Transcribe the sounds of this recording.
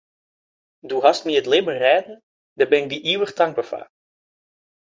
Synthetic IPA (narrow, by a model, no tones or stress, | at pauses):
duɦɑstmiətlebərɛːdən | dəbɛnɪk̚diʔiwəχtɑŋɡ̚bəfa̰ː